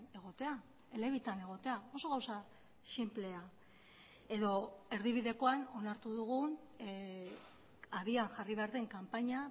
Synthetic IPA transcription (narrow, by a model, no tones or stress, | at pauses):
e̞ɣ̞o̞t̪e̞a | ele̞βit̪ane̞ɣ̞o̞t̪e̞ao̞so̞ɣawsa | simple̞a | e̞ðo̞e̞ɾðiβ̞iðe̞ko̞ano̞naɾt̪uðuɣun | aβiaŋʝariβe̞aɾðe̞ŋkampaɲa